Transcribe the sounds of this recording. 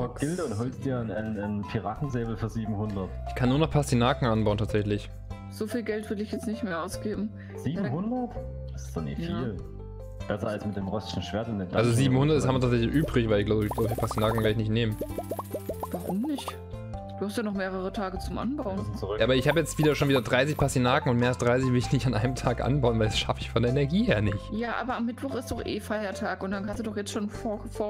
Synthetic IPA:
ɔɡ̥ɪldəʊntɦɔlst̚d̥iːɐnnnpʰiʁaːtn̩zeːbl̩fyːɐziːbm̩hʊndɐtʔɪçkʰanːuːɐnɔχpʰastinaːkŋ̩ʔanbaʊntʰaːtz̥ɛçlɪç | z̥oːfiːlɡɛltv̥ʏɪɐdəɪçjɛt͡snɪçtmeːɐʔaʊsɡ̥eːbm̩ | z̥iːbmhʊndɐt | d̥asɪ̥stɔnɪ̰fiːl | b̥ɛsɐalsmɪt̚d̥eːmʁɔsɪ̥ʃn̩ʃv̥eːɐtɪndeːmd̥aalzoziːbm̩hʊndɐtdɪshamviɐtʰaːtz̥ɛçlɪçʔyːbʁɪçvaɪlɪçɡ̥laʊbəɡ̥laʊbəipʰastinaːkŋ̩vɛɐɪçnɪçtneːmən | v̥aʁʊmnɪçt | d̥uːhastjaːnɔχmeːʁ̞əʁətʰaːɡət͡sʊmʔa̰nbaʊənt͡sʁʔaːbɐɪçhaːbəjɛt͡stv̥iːdɐʃoːnviːdɐdʁaɪs̬ɪçpʰasinaːkŋ̩ʊntmeːɐalsd̥ʁaɪs̬ɪç̬vɪlɪçnɪçtanʔaɪnəmtʰaːkʔa̰nbaʊənvaɪldasʃafɪçfɔndeɐɛnɛɐɡiːheːɐnɪçtjaːʔa̰ːbɐamːɪtv̥ɔχɪstd̥ɔχʔḛːfaɪɐtʰaːkʊntd̥ankʰansd̥uːdɔχjɛt͡stʃoːnfofoːɐ

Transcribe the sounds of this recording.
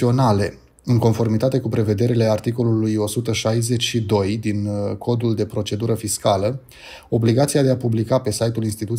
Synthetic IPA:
o̞nale̞ | ɨŋko̞nfo̞rmit̪at̪e̞kupɾe̞ve̞d̪e̞ɾile̞art̪iko̞lulujo̞sut̪əʃajze̞t͡ʃʲʃid̪o̞jd̪inkʰo̞d̪uld̪e̞pɾo̞t͡ʃe̞d̪uɾəfiskalə | o̞bliɡat̪siad̪e̞apublikape̞sajt̪ulinst̪it̪ut̪

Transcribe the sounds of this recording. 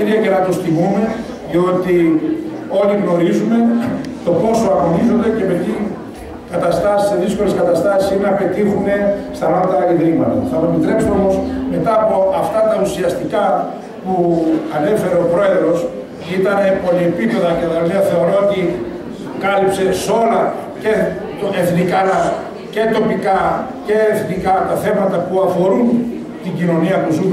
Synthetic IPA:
eɾiɐce̞nɐt̪ost̪imume̞ | ðio̞t̪i | o̞liɣno̞ɾizume̞t̪o̞po̞so̞ɐnizo̞nd̪e̞ce̞me̞t̪i | kɐt̪ɐst̪ɐsi̥se̞ðisko̞le̞skɐt̪ɐst̪ɐsi̥sinenɐpe̞t̪ixume̞st̪ɐmoɾt̪ɐɐiðɾiɣmɐt̪oθɐmɐsepit̪ɾe̞psumo̞mo̞sme̞t̪ɐːpo̞ʔɐft̪ɐt̪ɐusiɐst̪ikɐ | puɐne̞fe̞ɾe̞o̞pɾo̞e̞ðɾo̞s | it̪ɐne̞po̞liepipe̞ðɐceðɐmiɐθeoɾoot̪i | kɐlipse̞so̞lɐ | ce | eθnikɐnɐ | ce̞t̪o̞pikɐ | ce̞ːθnikɐt̪ɐθe̞mɐt̪ɐpuɐfo̞ɾun | t̪iɲɟino̞niɐpuzu

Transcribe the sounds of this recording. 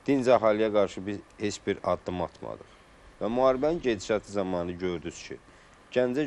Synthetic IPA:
d̪̥inzæɦɑlijæɡɑɾʃɯbizhe̞t͡ʃbiɾɑd̪ːɯmɑ̰t̪ʰmɑ̰d̪ɯ̰χ | væmuhɑːɾibæninɟed̪iʃɑt̪ʰɯzɑmɑːnɯɟø̞ɾd̪yz̥cʰḭ | ɟænd͡ʒæ

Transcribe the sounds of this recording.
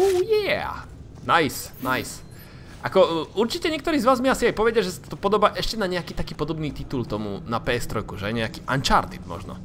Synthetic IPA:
uːjɛ̰ | najsnajs | ʔakɔuɾt͡ʃicɛɲɛkt̪ɔɾiːzʋaːzmiasiajpɔʋɛɟaʒɛsḁt̪t̪ɔpɔd̪ɔbaːʔɛʃcɛnaɲɛakiːt̪akiːpɔd̪ɔbniːt̪it̪ult̪ɔmṵnapɛɛst̪ɾɔjkuʒɛɲɛakiːʔa̰nt͡ʃa̰ɾt̪id̪mɔ̰ʒnɔ̰

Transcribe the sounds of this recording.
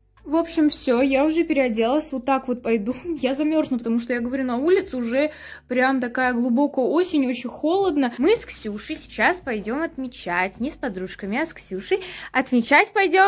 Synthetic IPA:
vo̞pɕːɪmfsʲojaʊʐɛpʲɪɾʲɪɐdʲelˠəsʲvot̪ːakvo̞t̪̚pɐjd̪ujazɐmʲo̞rʐnəpət̪ɐmuʂt̪ojaɡəvɐɾʲunɐulʲɪt̪sʊʊʐɛ | pɾʲamt̪ɐkajəɡlˠʊbo̞kəjəo̞sʲɪnʲo̞t͡ɕɪnʲxo̞lˠəd̪nəmɨsksʲuʂɨjsʲɪ̥t͡ɕaspɐjdʲo̞mɐt̪mʲɪt͡ɕatʲnʲɪspɐd̪ɾuʂkəmʲɪɐsksʲuʂɨjɐt̪mʲɪt͡ɕatʲpɐjdʲo̞m

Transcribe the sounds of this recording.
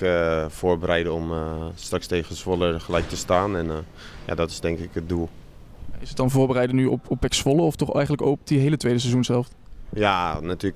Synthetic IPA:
əv̥oːɹbəɾɛjdəɔmstrakstejχəsʋɔləɹχəlɛjk̚təstaːnɛn | ja̰dɔtɪ̥sdɛŋkɪkət̚dulˠ | ja̰ɪsət̚dɑnvʊːɹbərɛjdənyɔpɔpɛksfɔləɔftɔχɛjχənləkopdiɦejlətʋejdəs̬ɛzunshɛlˠft | janatyːlə

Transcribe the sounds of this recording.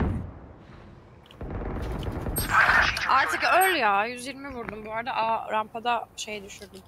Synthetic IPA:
aɾt̪ʰɯkøjlʲjajyzjiɾmivuɾd̪umbuaɾd̪aʔaɾampʰad̪aʃe̞jɛd̪yʃyɾd̪ym

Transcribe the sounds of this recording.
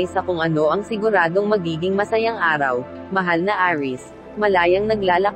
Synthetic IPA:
jsɐkʊŋʔɐno̞ʔɐŋsɪɡʊɾaːd̪o̞ŋmɐɡiːɡɪŋmɐsɐjaŋʔaːɾɐw | mɐɦalnɐʔaːɹɪs | mɐlaːjɐŋnɐɡlaːlɐ

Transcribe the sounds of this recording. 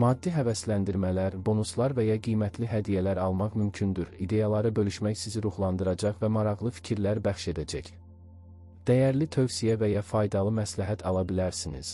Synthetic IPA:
mɑːd̪ːiɦævæslænd̪iɾmælæɾbo̞nuslˠɑɾvejɑɡijmæt̪ʰliɦæd̪ijælæɾɑlˠmɑʁmymcʰynd̪yɾid̪e̞jɑlˠɑɾɯbø̞lyʃmæçsiziɾuχlˠɑnd̪ɯɾɑd͡ʒɑʁvæmɑɾɑʁlˠɯfi̥cʰiɾlæɾbæχʃe̞d̪æd͡ʒæç | d̪̥æjæɾlit̪ʰø̞vsijævejɑfɑjd̪ɑlˠɯmæslæɦæt̪ʰɑlˠɑbilæɾsinḭz̥

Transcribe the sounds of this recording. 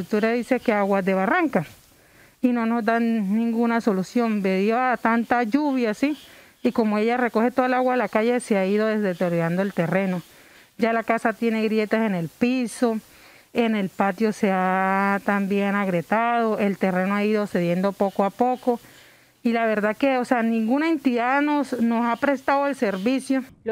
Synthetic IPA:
ut̪uɾaðisekeaɣwad̪eβaraŋka | inonozd̪anĩŋɡunaso̞lusjombeðjoat̪ant̪aʝuβjaːsi | ikomoeʝarekoxet̪oðalaɣwaelakaʝeseaiðoðezd̪et̪eɾjoɾand̪oelt̪ereno̞ | ɟ͡ʝalakasat̪je̞ne̞ɣɾjet̪asene̞lpiso | ene̞lpat̪jo̞seat̪ambjenaɣɾet̪aðo̞ʔelt̪e̞re̞noaiðose̞ðje̞nd̪opokoapoko | ilaβe̞ɾðakeoseanĩŋɡunaent̪iðaðnosnosapɾe̞st̪aðoelseɾβisjo

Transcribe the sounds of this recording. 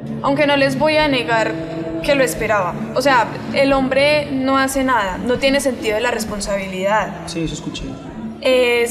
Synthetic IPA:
awŋke̞no̞le̞zbo̞jane̞ɣaɾ | ke̞loe̞spe̞ɾaβaose̞a | elo̞mbɾe̞no̞ase̞naðano̞t̪je̞ne̞sẽ̞nt̪iðoelare̞spo̞nsaβ̞iliðaðsiseskut͡ʃe | e

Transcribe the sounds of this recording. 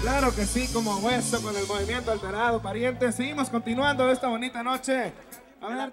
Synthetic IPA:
klaɾo̞ke̞siko̞moaɣwest̪oko̞ne̞lmo̞β̞imje̞nt̪o̞alt̪e̞ɾað̞opaɾje̞nt̪eseɣimo̞sko̞nt̪inwand̪o̞e̞st̪aβo̞nit̪ano̞t͡ʃe̞ | aβeɾ

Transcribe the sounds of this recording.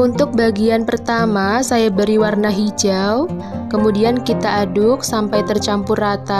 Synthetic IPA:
unt̪ʊk̚baɡianpərt̪amasajabəɾiwarnaɦid͡ʒaw | kəmudiankit̪aːdʊk̚sampajt̪ərt͡ʃampʊrːat̪a

